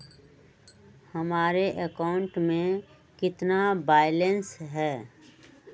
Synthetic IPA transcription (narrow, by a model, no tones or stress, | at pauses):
hɐmaːɾeʔəkaʊ̃ɳʈmẽ | kɪt̪nabaːɪlensɦɛː